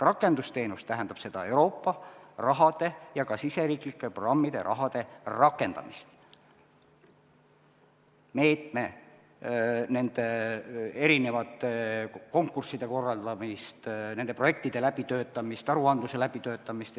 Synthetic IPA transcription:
rɑkːˑe̞nd̪ust̪e̞ːnust̪æɦend̪̥ɑb̥se̞d̪̥ɑe̞wɾo̞ːpːɑrɑɦɑd̪̥e̞jɑkɑsise̞ɾiːklikːˑeprorɑmːid̪̥e̞̰ɾʔɑ̰ɦɑd̪̥e̞rɑkːˑe̞nd̪̥ɑ̰mist̪ | me̞ːt̪me̞ | ne̞nd̪̥e̞ | e̞ɾine̞vɑt̪ːˑeko̞ŋkːˑursid̪̥e̞ko̞rːɑld̪̥ɑmist̪ne̞nd̪̥e̞pro̞je̞k̚t̪id̪̥e̞læb̥it̪ø̞ːt̪ːˑɑmist̪ɑɾuɑnd̪̥use̞læb̥it̪ø̞ːt̪ːˑɑmist̪

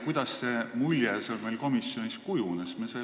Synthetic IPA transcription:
kujd̪̥ɑsːe̞mulʲjeseolmejlko̞misːjo̞niskujunesmese

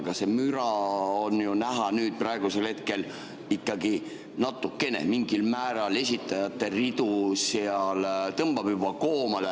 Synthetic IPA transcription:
ɡ̥ɑse̞myɾɑonjunæɦɑnyːd̪̥̚prɑe̞ɡ̥use̞lhe̞t̪̚ke̞l | ikˑːɑɡi | nɑt̪ːˑukːe̞nḛmiŋɡ̥ilmæːɾɑle̞sʲit̪ːˑɑjɑt̪ːe̞rid̪useɑlt̪ɤmb̥ɑb̥jub̥ɑkoːmɑle

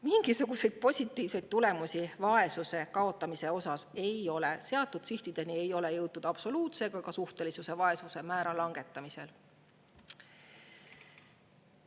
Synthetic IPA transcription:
miŋɡ̥isuɡ̥use̞jd̪̥̚po̞sʲit̪ːˑiːvse̞jd̪̥̚t̪ule̞musʲivɑe̞suse̞kɑo̞t̪ːˑɑmise̞o̞sɑse̞jo̞le̞se̞ɑt̪ːˑud̪̥siht̪id̪̥e̞nie̞jo̞le̞jɤwt̪ːud̪̥ɑb̥so̞luːt̪se̞ɡ̥ɑɡɑsuht̪e̞lisuse̞vɑe̞suse̞mæːɾɑlɑŋɡe̞t̪ˑːɑmise̞l

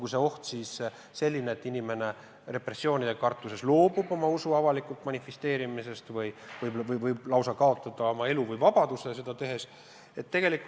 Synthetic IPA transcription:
kuse̞o̞ht̪siːs | se̞lʲːineːt̪ːˑinime̞ne̞ | re̞pre̞sːio̞ːnʲid̪e̞kɑrt̪ˑːuse̞slo̞ːbubo̞mɑusuɑvɑlikult̪mɑnʲifest̪e̞ːɾimise̞st̪vɯjvɯjbvɯjvɯjblɑwsɑkɑo̞t̪ˑːɑd̪̥ɑo̞mɑe̞luvɯjvɑb̥ɑd̪̥uses̬e̞d̪̥ɑt̪e̞ɦe̞s | e̞t̪ːe̞ɡ̥e̞likˑu

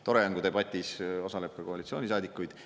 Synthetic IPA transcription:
t̪o̞ɾe̞jæŋɡud̪e̞bɑt̪ʲːˑiso̞sɑle̞pːˑekoɑlit̪sio̞ːnis̬ɑːd̪ikːujd̪̥

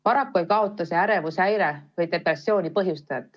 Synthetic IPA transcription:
pɑɾɑkːuejkɑo̞t̪ːˑɑseæɾe̞vusæjɾevɤjt̪e̞pɾesːjo̞ːnʲipɤɦjust̪ɑjɑt̪ːˑ

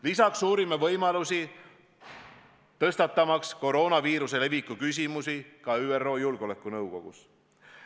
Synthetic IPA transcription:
lisɑksuːɾimːevɤjmɑlusi | t̪ɤst̪ɑt̪ːˑɑmɑksko̞ɾo̞ːnɑviːɾuse̞le̞vikːˑukys̬ʲimusikɑyːerːo̞ːjulɡ̥o̞le̞kːˑunɤwko̞̰ɡ̥ṵs

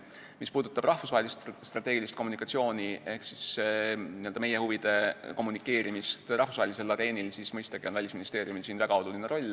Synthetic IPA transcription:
mispuːd̪̥ut̪ːˑɑb̥rɑhfusɑhelʲist̪st̪rɑt̪e̞ɡ̥ilist̪ko̞mːunikːˑɑt̪sio̞ːnie̞hksisniøld̪ɑme̞jehuvid̪̥e̞ko̞mːunikːˑe̞ːɾimist̪rɑhfusvɑɦelʲise̞lːɑd̪e̞ːnilsismɤjst̪ɑɡ̥io̞nvælʲisminist̪e̞ːrijumilsiːnvæɡ̥ɑo̞lulineɾo̞lʲː

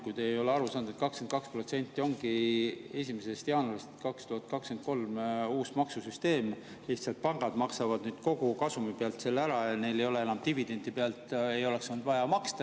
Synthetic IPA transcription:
kujt̪eejo̞leɑɾusɑːnd̪u̥et̪kɑkske̞nd̪̚kɑkspro̞t̪se̞nʲt̪ːˑio̞ŋɡ̥ie̞sʲimese̞st̪jɑːnuolist̪kɑkst̪uhɑt̪̚kɑkske̞nd̪̥̚ko̞lmuːsmɑksusyst̪e̞ːm | liht̪sɑlt̪̚pɑŋɡ̥ɑd̪mɑksɑvɑd̪̥nyːd̪̥ko̞ɡ̥ukɑsumipeɑlt̪se̞lːæɾɑjɑne̞jle̞jo̞le̞e̞nɑmt̪ivid̪e̞nd̪ipeɑlt̪e̞jo̞le̞ksond̪vɑjɑmɑkst̪ɑ

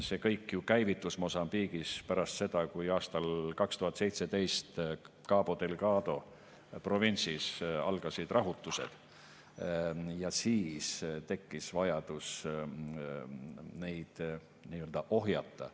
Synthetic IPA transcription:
se̞kɤjkːjukæjvit̪ːˑusmosɑmpiːɡ̥ispæɾɑst̪se̞d̪̥ɑkujɑːst̪ɑlkɑkst̪uhɑt̪ːˑsejt̪se̞t̪e̞jst̪ | kɑːb̥o̞t̪elɡ̥ɑːd̪̥o̞ | pro̞vinʲt̪sisɑ̰lɡ̥ɑsid̪̥rɑɦut̪ːˑuse̞̰d̪̥ | jɑsiːst̪e̞kːisvɑjɑd̪̥us | nejd̪̥ | niːøld̪̥ɑʔo̞ɦjɑt̪ːˑɑ̰

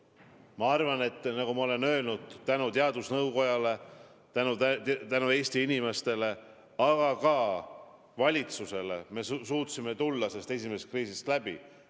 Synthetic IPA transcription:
mɑɑrvɑne̞t̪ːnɑɡumɑo̞le̞nø̞ːlnud̪̥t̪ænut̪e̞ɑd̪usnɤwko̞jɑle̞ | t̪ænut̪ænue̞ːst̪iinime̞st̪e̞le̞ | ɑɡ̥ɑkɑ | vɑlʲit̪suse̞le̞̰me̞ssuːt̪sime̞t̪ulːɑsest̪e̞s̬imest̪kriːsist̪læbḭ

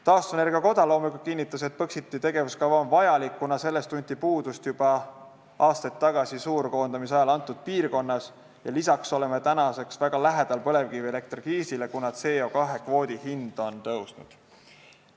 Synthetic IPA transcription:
t̪ɑːst̪une̞rɡ̥iɑko̞d̪ɑlo̞ːmikukinʲːit̪ːˑɑse̞t̪̚pɤksit̪ːˑit̪e̞ɡ̥e̞vuskɑvɑonvɑjɑlikːunɑse̞lːe̞st̪unʲt̪ipuːd̪ust̪jub̥ɑ | ɑːst̪ɑt̪ˑːɑɡ̥ɑsisuːɾko̞ːnd̪̥ɑmis̬ɑjɑlɑnt̪ˑːud̪̥̚piːrko̞nːɑs | jɑlisɑkso̞leme̞t̪ænɑse̞ksvæɡ̥ɑlæɦed̪̥ɑlpɤ̞le̞vkiviele̞k̚t̪rɡ̥iːsile̞kunɑt̪se̞ːo̞kɑɦe̞kvo̞ːd̪ihind̪̥o̞nt̪ɤwsnud̪̥

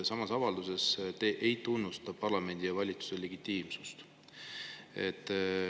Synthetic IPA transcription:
sɑmɑsɑvɑld̪use̞st̪eʔejt̪unːust̪ɑpɑrlɑme̞nd̪̥ijɑvɑlʲit̪su̥se̞le̞ɡit̪ːiːmsust̪ | e̞t̪ːˑ

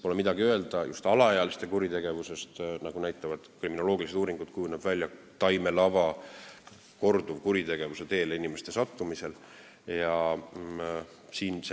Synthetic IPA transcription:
polemid̪ɑɡiø̞e̞ld̪̥ɑjʔṵst̪ɑlɑɑjɑlist̪e̞kuɾit̪e̞ɡ̥e̞vuse̞st̪nɑɡ̥unæjt̪ˑːɑvɑd̪̥kriminolo̞ːɡ̥ilise̞t̪uːɾiŋɡ̥ud̪̥̚kujunebvælʲːjɑ | t̪ɑjme̞lɑvɑ | ko̞rd̪̥uvkuɾit̪e̞ɡ̥e̞vuse̞t̪e̞ːleinimest̪e̞sɑt̪ːumise̞l | jɑ | siːns

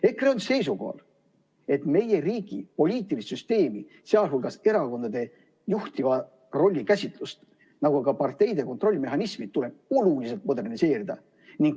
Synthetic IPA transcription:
e̞kreonse̞jsuko̰ɑ̰l | e̞t̪me̞je̞riːɡ̥ḭpo̞lʲiːt̪ːˑilist̪syst̪e̞ːmi | seɑlɦulɡ̥ɑse̞ɾɑko̞nd̪ɑd̪̥e̞ | juht̪ivɑ | ro̞lʲːikæsʲit̪ˑlust̪ | nɑɡukɑpɑrt̪e̞jd̪e̞kot̪ro̞lʲːime̞ɦɑnismit̪ːule̞b̥̚olulise̞lt̪mo̞d̪e̞rnise̞ːɾid̪̥ɑ̰ | niŋɡ̚

